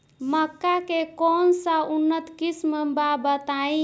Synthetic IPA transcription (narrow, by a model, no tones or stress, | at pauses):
məkːakekɔnsaunːət̪kisməbabət̪ai